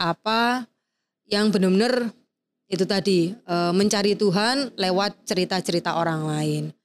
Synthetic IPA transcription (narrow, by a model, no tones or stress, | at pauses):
ʔapa | jaŋbənərbənər | it̪ut̪adiəməɲt͡ʃaɾit̪uɦanlewat̪̚t͡ʃəɾit̪at͡ʃəɾit̪aʔoɾaŋlaɪn